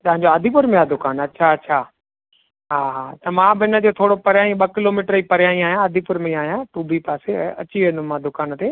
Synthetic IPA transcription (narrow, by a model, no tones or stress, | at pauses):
t̪ɐɦãɲd͡ʑoad̪ʱipʊɾmẽad̪ʊkaːnɐtːɕʰaɐtːʃʰaː | ɦaːɦt̪ɐmãbɪɪnə̆d͡ʑoːt̪ʰoːɽopɐɾjaːĩɓɐkɪloːmiːʈəɾipɐɾɪjaːĩaːɦijãəd̪ʱipʊɾmẽĩaːɦijãʈuːbʱipaːsḛʔɐt͡ɕiɐ̃nʊ̃mãd̪ʊkaːnt̪ʰeː